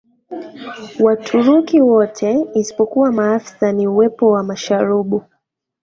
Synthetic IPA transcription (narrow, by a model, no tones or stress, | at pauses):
watʰuɾukiwɔtʰɛisi̥pɔkuwamaafi̥saniuwɛpɔwamaʃaɾuɓu